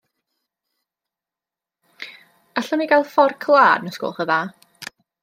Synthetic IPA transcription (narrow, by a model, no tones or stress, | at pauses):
aɬɔniɡalˠfɔrkʰlˠaːdnəsko̰ːlˠχəða